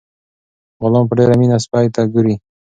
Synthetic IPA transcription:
ɣʊlɔmp̬əɖeɾaminaspajt̪aɡuɾi

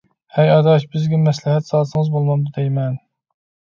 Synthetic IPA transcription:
hɛjɑd̪ɑʃbɪzɡʲɛmɛslɪɦɛt̪sɑlˠsɨŋɨzbolˠmɑmd̪ud̪ɛjmɛn

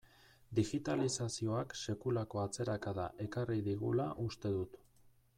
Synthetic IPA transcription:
d̪iɣit̪alisasio̞akse̞kulako̞at͡se̞ɾakaðaʔe̞kariðiɣ̞ulaʔust̪e̞ðut̪

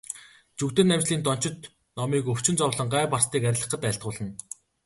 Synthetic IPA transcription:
t͡ɕɵkt̪ɘ̆nːæmt͡ɕɮiːnt̪ɔn̥t͡ɕɪ̆t̪ | nɔmiːkɵw̥t͡ɕɪ̆nt͡sɔwɮə̆ɴɢæːpast̪iːkæɾ̆ʲɮə̆χə̆t̪æɬt̪̚ʁʊːɮə̆n

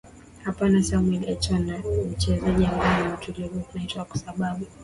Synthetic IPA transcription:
hapanasamwɛliat͡ʃanat͡ʃɛzɛʄiamɡanautulivunaitaakɔ̥saɓaɓu

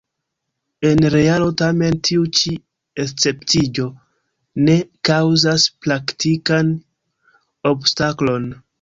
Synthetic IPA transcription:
e̞nɾe̞alo̞tame̞ntʰiut͡ʃi | est͡se̞ptid͡ʒo̞ | ne̞kawzasplaktikan | o̞bstaklo̞n

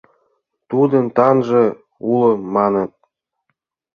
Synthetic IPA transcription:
t̪ud̪ənt̪ɑnʒĕ | uləmɑnət̪̚

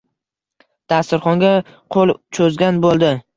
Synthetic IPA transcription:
d̪̥ast̪ɪɾχɒŋɡʲa | qʰolˠt͡ʃʰɵzɡʲanbolˠd̪ɪ

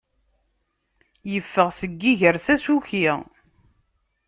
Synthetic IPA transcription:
jəfːəʁsəɡːiʝəɾsæsuçiʁ

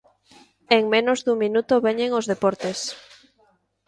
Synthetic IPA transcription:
eŋmẽnozðuŋmĩnut̪oβeɲeŋozðepɔɾt̪es

